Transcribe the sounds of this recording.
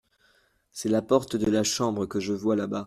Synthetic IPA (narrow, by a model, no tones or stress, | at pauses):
sɛlapɔʁt̪əd̪əlaʃɑ̃bʁəkəʒəvwalaba